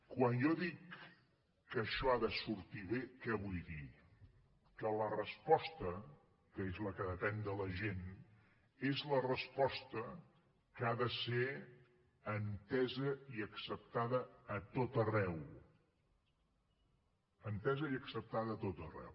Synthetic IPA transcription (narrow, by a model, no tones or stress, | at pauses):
kwanjɔðikː | əʃɔaðəsuɾt̪iβekɛβujði | kələrəspɔst̪ə | kəezləkəðəpɛnd̪ələʒen | ezlərəspɔst̪ə | kaðəse | ənt̪ɛzəiəksəp̚t̪aðəːt̪ot̪ərɛw | ənt̪ɛzəiəksəp̚t̪aðəːt̪ot̪ərɛ̰w